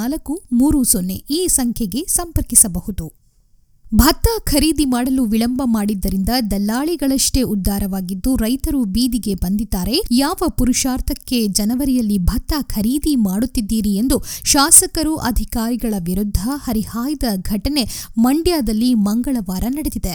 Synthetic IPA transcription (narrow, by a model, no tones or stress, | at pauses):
aːlɐkːumuːɾusonːe̞̰iːsɐŋkʰjɐɡe̞sɐmpɐɾkisɐbɐhud̪u | bʱɐt̪ːɐkʰɐɾiːd̪imaːɽɐluʋiɭɐmbɐmaːɽid̪ːɐɾind̪ɐd̪ɐlːaːɭiɡɐɭɐʂʈe̞ud̪ʱːaːɾɐʋaːɡid̪ːuɾɐjt̪ɐɾubiːd̪iɡe̞bɐnd̪id̪ːaːɾe̞jaːʋɐpuɾuʃaːɾt̪ʰɐkːe̞d͡ʒɐnɐʋɐɾijɐlːibʱɐt̪ːɐkʰɐɾiːd̪imaːɽut̪ːid̪ːiːɾie̞nd̪uʃaːsɐkɐɾuʔɐd̪ʱikaːɾiɡɐɭɐʋiɾud̪ʱːɐhɐɾihaːjd̪ɐɡʱɐʈɐne̞mɐɳɖjaːd̪ɐlːimɐŋɡɐɭɐʋaːɾɐnɐɽed̪id̪e